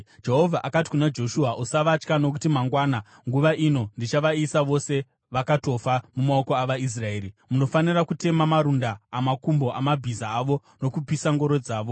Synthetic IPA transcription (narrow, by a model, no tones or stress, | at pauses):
d͡ʒe̞ɦo̞vʱaʔakati̥kunad͡ʒo̞ʃuaʔusaʋat͡ʃkano̞kutimaŋɡwaːna | ŋɡuʋaʔino̞ndit͡ʃaʋaisaʋo̞se̞ | ʋakato̞famumaoko̞aʋais̬rae̞ːɾimuno̞fanirakute̞mamaɾundaːmakumbo̞ʔamabʱizaːʋo̞ | no̞kupisaŋɡo̞ɾo̞d͡zaːʋo̞